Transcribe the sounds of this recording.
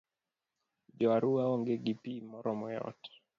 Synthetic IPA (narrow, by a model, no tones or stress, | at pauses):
d͡ʒɔaɾuaɔŋɡeɡipimɔɾɔmɔjɔ̰tɛ̥